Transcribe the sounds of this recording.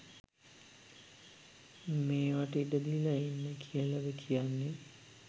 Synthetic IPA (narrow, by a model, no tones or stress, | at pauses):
meːʋaʈiʈəd̪ilainːəkʰijəlaʋəkʰijanːe